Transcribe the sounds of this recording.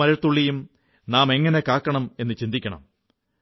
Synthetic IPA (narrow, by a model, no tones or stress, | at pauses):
ɐɾɐt̪ːuɭːijum | naːme̞ŋːɐnekaːkːɐɳɐme̞nːɨt͡ɕind̪ikʲːɐɳɐ̰m